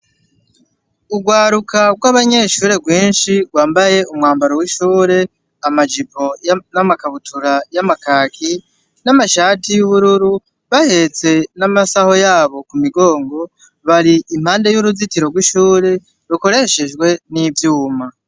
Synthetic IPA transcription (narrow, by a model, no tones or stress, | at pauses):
uɡwaːɾukʰaɡɡwaβaɲe̞ʃuːɾe̞ɡwiːnʃiɡwaːmbaje̞umŋaːmbaɾowiʃuːɾe̞ | amad͡ʒipo̞jnamakaβutʰuɾajamakaːkʰi | namaʃaːtijuβuɾuɾu | βahe̞t͡se̞namasaho̞jaːβo̞kumiɡo̞ːŋɡo̞ | βaɾiʔim̥haːnde̞juɾuzitiɾo̞ɡwiʃuːɾe̞ | ɾuko̞ɾe̞ʃeʒɡwe̞nivjuːma